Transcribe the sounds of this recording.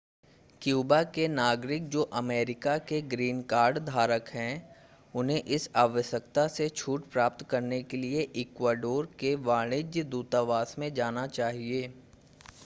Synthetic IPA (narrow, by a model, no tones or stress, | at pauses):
kjuːbakenaːɡɾɪk̚d͡ʒoːʔɐmeːɾɪkakeɡɾiːnkaːɾɖd̪ʱaːɾəkɦɛ̃ | ʊnɦẽʔɪsaːʋəʃək̚t̪aset͡ʃʰuːʈpɾaːp̚t̪kɐɾnekelieʔɪkwaːɖoːɾkeʋaːɽ̃ɪd͡ʒjd̪uːt̪aʋaːsmẽd͡ʒaːnat͡ʃaːɦieː